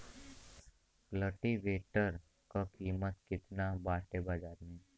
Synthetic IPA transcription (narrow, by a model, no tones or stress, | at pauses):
ləʈiʋeːʈəɾ | kakiːmət̪kɪt̪nabaːʈebaːd͡ʒaːɾmẽː